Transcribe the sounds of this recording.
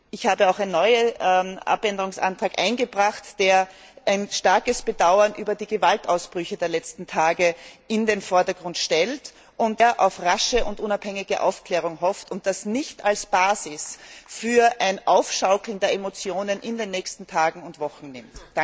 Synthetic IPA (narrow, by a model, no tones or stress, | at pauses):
ʔɪçhaːbəaʊxaɪnnɔʏəʔa̰pɛndəʁʊŋsa̰ntʁ̥aːkʔa̰ɪnɡəbʁaχtd̥eːɐʔaɪnʃtaɐkəsb̥ədaʊɐnʔyːbɐdiːɡəvaltaʊsb̥ʁʏçədeːɐlɛt͡stn̩tʰaːɡəɪndeːnfɔɐdɐɡʁʊntʃtɛlt | ʔʊntdeɐʔa̰ʊfʁaʃəʊntʔʊnaphɛŋɪɡəʔa̰ʊfkl̥ɛːʁ̞ʊŋɦɔftʊnt̚d̥asnɪçtalsb̥aːzɪsfyːɐʔaɪnʔaʊfʃaʊkl̩n̩deːɐʔemot͡sjoːnənʔɪndeːnːɛːçstn̩tʰaːɡŋ̩ʊntv̥ɔχn̩nɪmt